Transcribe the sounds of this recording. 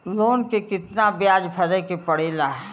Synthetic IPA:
loːnkekɪt̪nabjaːd͡ʒpʰɐɾɛkepɐɽeːlaːɦ

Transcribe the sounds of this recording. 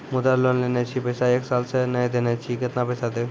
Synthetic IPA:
mʊd̪alonlenet͡ʃʰipəsaeːksaːlsenɐjd̪enet͡ʃʰikɪt̪napəjsad̪e

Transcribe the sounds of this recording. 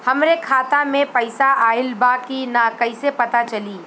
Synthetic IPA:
hɐmɾekʰaːt̪amẽpɐɪsaʔaːɪlbaːkinakɐɪsepɐt̪at͡ʃɐliː

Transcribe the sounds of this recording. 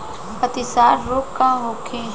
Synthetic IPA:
pət̪ɪsaːɾːoːkkːãːɦoːkʰẽː

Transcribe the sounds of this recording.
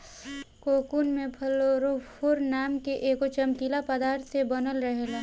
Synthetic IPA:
koːkuːnmẽpʰɐloɾopʰoɾnaːmkeʔeːkot͡ʃəmkilapəd̪aːɾt̪ʰsebənəlɾəɦele

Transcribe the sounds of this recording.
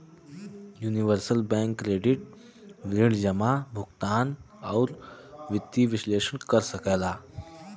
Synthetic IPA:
juːniʋəɾsəlbɛ̃ŋkːɾeɖiʈ̚ | ʋiɳd͡ʑəmabʱuɡt̪an | awɾʋit̪ːiʋiɕleʂəɳkəɾsəkajla

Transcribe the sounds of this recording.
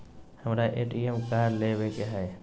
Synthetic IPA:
həmɾaʔeːʈiemkaːɾleʋekeɦɛː

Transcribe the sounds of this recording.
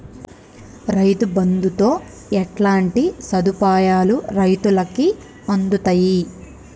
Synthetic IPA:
ɾɐjt̪ubɐnd̪ut̪o̞ː | ɛʈlaːɳʈisɐd̪upaːjaːluɾɐjt̪ulɐki | ɐnd̪ut̪ɐji

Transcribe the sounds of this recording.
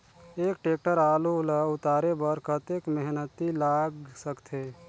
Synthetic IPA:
eːk̚ʈeːk̚ʈəɾaːluləʊt̪aːɾebəɾkət̪ekmeɦnət̪ilaːɡsəkt̪ʰeː

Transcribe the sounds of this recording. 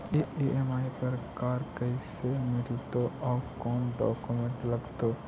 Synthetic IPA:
eeʔemaːipəɾkaːɾkəisemɪd͡ʒt̪oɔːkɔːnɖɔ̰ːkumẽɳʈlɐɡt̪oː

